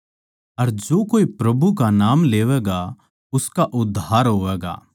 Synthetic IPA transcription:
ɐɾd͡ʒoːkoːipɾɐbʱukanaːmleːʋɛɡa | ʊskaʔʊd̪ʱːaːɾɦoːʋɛːɡa̰ː

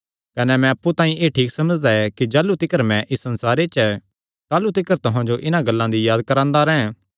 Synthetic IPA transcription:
kɐnɛmɛ̃ɐpːut̪ãːĩʔeːʈʰiːksɐməd͡ʒd̪aɛkid͡ʒaːlut̪ɪkəɾmɛ̃ʔɪsːɐnsaːɾet͡ʃɛ | t̪aːlut̪ɪkəɾt̪ʊɦãd͡ʒoʔɪnãɡɐlːãd̪ijaːd̪̚kɐɾãːnd̪aɾɛɛ̃

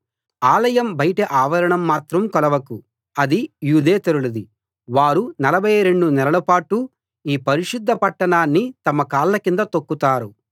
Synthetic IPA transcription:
aːlɐjɐmbɐjʈeʔaːʋɐɾɐɳɐmːaːt̪ɾɐmkɔlɐʋɐku | ɐd̪ijuːd̪eːt̪ɐɾulud̪i | ʋaːɾunɐlɐbʱɐjɾe̞ɳɖunɛlɐlɐpaːʈu | iːpɐɾiʃud̪ʱːɐpɐʈːɐɳaːnːit̪ɐmɐkaːlːɐkind̪ɐt̪okːut̪aːɾu

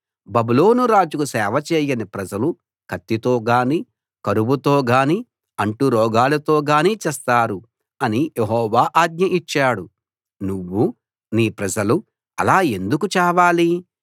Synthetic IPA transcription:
bɐbuloːnuɾaːd͡ʒukusɛːʋɐt͡ʃeːjɐnipɾɐd͡ʒɐlu | kʰɐt̪ːit̪o̞ːɡaːniː | kɐɾuʋut̪o̞ːɡaːni | ɐɳʈuɾɔːɡaːlɐt̪o̞ːɡaːniːt͡ʃɛːst̪aːɾu | ɐnijeɦɔːʋaːʔaːd̪̚ɲɐʔit͡ʃːaːɽu | nuʋːu | niːpɾɐd͡ʒɐlu | ɐlaːe̞nd̪ukut͡ʃɛːʋaːli

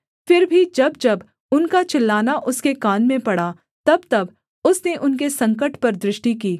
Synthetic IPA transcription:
fɪɾbʱid͡ʒɐbd͡ʒɐb | ʊnkat͡ʃɪlːaːnaʔʊskekaːnmẽpɐɽa | t̪ɐb̚t̪ɐb | ʊsneʔʊnkesɐ̃ŋk̬əʈpɐɾd̪ɾɪʃʈik̬iː

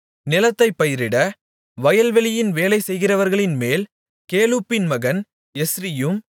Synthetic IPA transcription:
nɪlɐt̪ːɐɪpːɐjɪɾɪɽɐ | ʋɐjɐlʋɛlɪjɪnʋeːlɐɪsɛjɣɪrɐʋɐɾɣɐɭɪnmeːl | keːluːpːɪnmɐɣɐn | ɛsɾɪjɯm

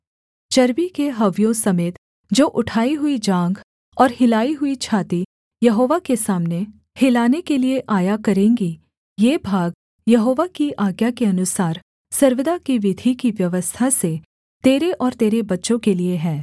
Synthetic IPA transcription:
t͡ʃɐɾʋikeɦɐʋjõsɐmeːt̪ | d͡ʒoːʔʊʈʰaːiɦʊid͡ʒãːŋɡ | ɔːɾhɪlaːiɦʊit͡ʃʰaːt̪i | jɐɦoːʋakesaːmne | hɪlaːnekelieʔaːjakɐɾẽːŋɡi | jeːbʱaːɡ | jɐɦoːʋakiʔaːɡjakeɐnʊsaːɾ | sɐɾʋɪd̪akiʋɪd̪ʱikiʋjɐʋəst̪ʰase | t̪eːɾeʔɔːɾt̪eːɾebɐtːʃõkelieɦɛ̃ː

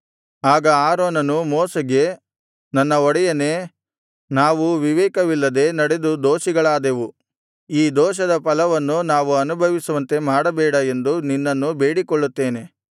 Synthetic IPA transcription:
aːɡɐaːɾoːnɐnumɔːsɐɡe̞ | nɐnːɐɔɽɛjɐne | naːʋuʋiʋɛːkɐʋilːɐd̪e̞nɐɽe̞d̪ud̪oːʃiɡɐɭaːd̪e̞ʋu | iːd̪ɔːʃ̬ɐd̪ɐpɐlɐʋɐnːunaːʋuɐnubʱɐʋisuʋɐnt̪e̞maːɽɐbɛːɽɐend̪uninːɐnːube̞ːɽikɔɭːut̪ːeːne̞

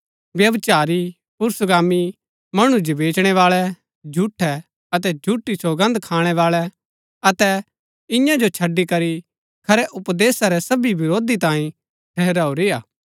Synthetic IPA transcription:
ʋjɐʋt͡ʃaːɾi | pʊɾsɡaːmi | mɐɽ̃ũd͡ʒobeːt͡ʃɽ̃ɛʋaːɭɛ | d͡ʒʱuʈʰːɛ | ɐt̪ɛd͡ʒʱuʈːisoːɡɐ̃nd̪kʰaːɽ̃ɛʋaːɭɛ | ɐt̪ɛ | ɪ̃jãd͡ʒot͡ʃʰɐɖːikɐɾi | kʰɐɾɛʔʊpd̪eːsaɾɛsɐbibɪɾoːd̪it̪ãːĩ | ʈʰɛɦɾaːoɾɪjaː

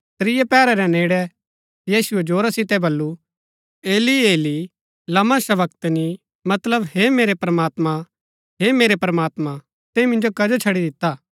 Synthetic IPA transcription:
t̪ɾɪjapɛːɾɛɾɛneːɽɛ | jiːsʊɛd͡ʒoːɾasɪt̪ɛbɐlːu | eːlieːli | lɐməʃɐʋɐk̚t̪ni | mɐt̪ləbɦemeːɾepɾɐmaːt̪mã | ɦeːmeːɾepɾɐmaːt̪ma | t̪ẽmɪ̃nd͡ʒokɐd͡ʒot͡ʃʰɐɽid̪ɪt̪ːaː

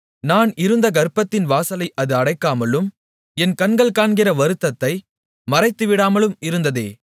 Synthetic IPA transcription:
naːnɪɾɯnd̪ɐɡɐɾpːɐt̪ːɪnʋaːsɐlɐɪʔɐðɯɐɽɐɪkːaːmɐlɯm | ɛnkɐnɡɐɭkaːɳɡɪrɐʋɐɾɯt̪ːɐt̪ːɐɪ | mɐrɐɪt̪ːɯʋɪɽaːmɐlɯmɪɾɯnd̪ɐðeː

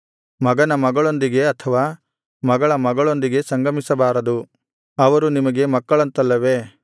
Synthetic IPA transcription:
mɐɡɐnɐmɐɡɐɭo̞nd̪iɡe̞ɐt̪ʰɐʋaː | mɐɡɐɭɐmɐɡɐɭo̞nd̪iɡe̞sɐŋɡɐmisɐbaːɾɐd̪u | ɐʋɐɾunimɐɡe̞mɐkːɐɭɐnt̪ɐlːɐʋe̞

